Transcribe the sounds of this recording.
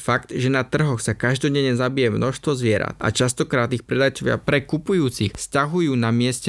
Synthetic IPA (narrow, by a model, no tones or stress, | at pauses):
fakt̪ʒɛnat̪r̩ɦɔxsakaʒd̪ɔɟɛɲɛzabijɛmnɔʃst̪ʋɔzʋɪɛɾa̰t̪a̰t͡ʃast̪ɔkɾaːt̪ixpɾɛd̪ajt͡sɔʋɪa̰pɾɛkupujuːt͡sixscaɦujuːnamɪɛscɛ